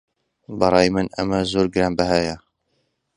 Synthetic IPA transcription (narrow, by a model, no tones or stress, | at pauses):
bɑɾˤɑjmənʔa̰mazuːɾɡɾambaɦaːja